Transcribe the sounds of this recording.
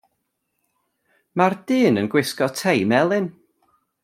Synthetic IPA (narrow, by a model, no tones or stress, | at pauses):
mard̥ɨːnənɡwɪskɔtʰejmɛlˠɨn